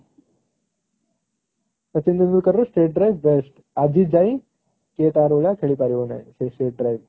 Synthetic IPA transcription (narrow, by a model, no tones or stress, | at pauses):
ət͡ɕind̪ənulkəɾːosʈeːʈ̚ɖɾajʋːesʈ | ad͡ʑʱiːd͡zaĩ | ket̪aɾoɭjakʰeɭiːpaɾiona̰sesʈeːʈ̚ɖɾajʋ